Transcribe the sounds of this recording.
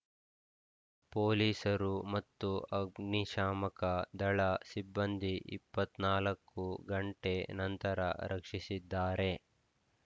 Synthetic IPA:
poːliːsɐɾumɐt̪ːuɐɡniʃaːmɐkɐd̪ɐɭɐsibːɐnd̪ʱiʔḭpːɐt̪naːlɐkːuɡɐɳʈe̞nɐnt̪ɐɾɐ̰ɾʔɐkʂisid̪ːaːɾe̞

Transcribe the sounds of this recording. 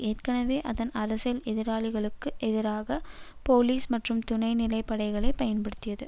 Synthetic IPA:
eːɾkɐɳɐʋeːʔɐðɐnʔɐɾɐsɐlɛðɪɾaːɭɪɣɐɭɯkːɯʔɛðɪɾaːɣɐpoːliːsmɐʈrɯmt̪ʊnɐɪnɪlɐɪpːɐɽɐɪɣɐɭɐɪpɐjɐnpɐɽɯt̪ːɪjɐðɯ

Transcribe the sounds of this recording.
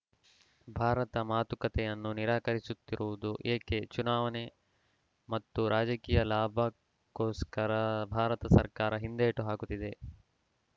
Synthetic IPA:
bʱaːɾɐt̪ɐmaːt̪ukɐt̪ɛjɐnːuniɾaːkɐɾisut̪ːiɾʔuʋud̪uʔeːket͡ʃunaːʋɐne | mɐt̪ːuɾʔaːd͡ʒɐkiːjɐlaːbʱɐ | koːskɐɾɐbʱaːɾɐt̪ɐsɐ̰ɾkaːɾɐɦind̪eːʈuɦaːkut̪ːid̪e̞

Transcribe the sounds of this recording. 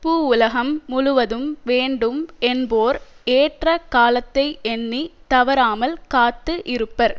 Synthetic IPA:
pːuːʊlɐɣɐmːʊɻʊʋɐðɯmʋeːɳɖɯmɛnboːɾeːʈrɐkaːlɐt̪ːɐɪɛnːit̪ɐʋɐɾaːmɐlkaːt̪ːɯʔɪɾɯpːɐɾ

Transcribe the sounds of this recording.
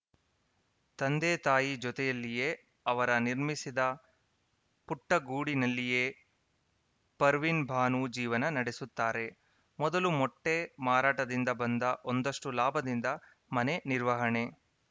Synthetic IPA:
t̪ɐnd̪eːt̪aːjid͡ʒɔt̪ɛjɐlːije̞ː | ɐʋɐɾɐniɾmisid̪ɐ | puʈːɐɡuːɽinɐlːije̞ː | pɐɾʋinbʱaːnud͡ʒiːʋɐnɐnɐɽesut̪ːaːɾe̞ | mɔd̪ɐlumɔʈːe̞maːɾaːʈɐd̪ind̪ɐbɐnd̪ɐʔond̪ɐʂʈulaːbʱɐd̪ind̪ɐ | mɐne̞niɾʋɐɦɐɳe̞

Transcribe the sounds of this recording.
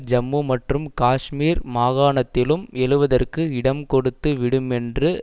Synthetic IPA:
d͡ʒɐmːumɐʈrɯmkaːʂmiːɾmaːɣaːɳɐt̪ːɪlɯmɛlɯʋɐðɐrkɯɪɽɐmkɔɽɯt̪ːɯʋɪɽɯmɛndrɯ

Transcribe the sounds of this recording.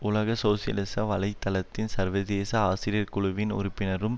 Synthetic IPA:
ʊlɐɣɐsoːsɪjɐ̰lɪsɐʋɐlɐɪt̪ːɐlɐt̪ːɪnsɐɾʋɐðeːsɐaːsɪɾɪjɐɾkʊɭʊʋɪnʊ̰ɾʊpːɪnɐɾɯm

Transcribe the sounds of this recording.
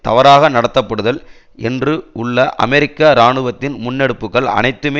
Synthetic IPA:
t̪ɐʋɐɾaːɣɐnɐɽɐt̪ːɐpːɐɽɯðɐl | ɛndrɯʊɭːɐʔɐ̰mɛɾɪkːaɾaːɳɯʋɐt̪ːɪnmʊnːɛɽɯpːɯkːɐɭɐ̰nɐɪt̪ːɯmeː

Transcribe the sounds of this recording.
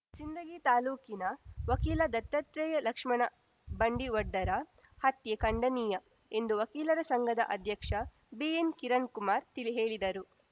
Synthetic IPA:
sind̪ɐɡiːt̪aːluːkinɐʋɐkiːlɐd̪ɐt̪ːɐt̪ɾɛːjɐlɐkʂmɐɳɐ | bɐɳɖiʋɔɖːɐɾɐ | hɐt̪jɐkɐɳɖɐniːjɐ | end̪uʋɐkiːlɐɾɐsɐŋɡʱɐd̪ɐ̰ʔɐd̪ʱjɐkʂɐ | bienkiɾɐɳkumaːɾt̪iliɦeːɭid̪ɐɾu

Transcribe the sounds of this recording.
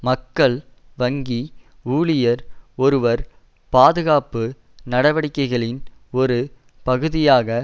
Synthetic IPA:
mɐkːɐɭ | ʋɐŋɡi | uːɭɪjɐɾɔɾɯʋɐɾ | paːðɯɣaːpɯ | nɐɽɐʋɐɽɪkːɐɪɣɐɭɪnɔɾɯ | pɐɣɯðɪjaːɣɐ

